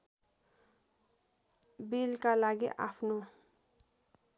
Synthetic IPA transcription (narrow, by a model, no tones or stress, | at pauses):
bilkalaɡḭʔa̰pʰno